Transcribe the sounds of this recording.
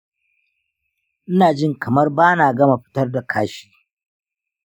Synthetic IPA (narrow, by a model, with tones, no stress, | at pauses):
ʔɪ˦naː˨d͡ʒɪ˦˨ŋkɐ˨mɐ˦rbaː˦naː˨ɡɐ˦ma˨ɸɪ̥˦tɐ˦rda˨kʰaː˦ʃi̥ː˦